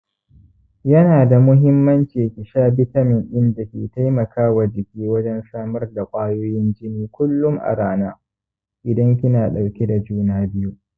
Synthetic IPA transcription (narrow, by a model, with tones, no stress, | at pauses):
jɐ˦naː˨da˨mʊ˦ɦɪ˦mːɐ˦nt͡ʃiː˨kʲɪ˨ʃaː˦bɪ˦tɐ˦mɪ˨ŋʔɪ˦nda˨kʲḛː˨ta˦jmɐ˨kʰaː˦wa˨d͡ʒɪ˨kʲiː˦wɐ˦d͡ʒɛ˦nsaː˦mɐ˦rda˨kʷʼaː˦joː˦jɪ˦nd͡ʒɪ˦niː˦kʷʊ˦lːʊ˦ŋʔa̰˨ɾaː˦naː˦ | ʔɪ˨dɐ˦ŋk̬ʲɪ˦naː˨ɗa˨wkʲe˦da˨d͡ʒuː˦naː˦bɪ˦ju˦ʔ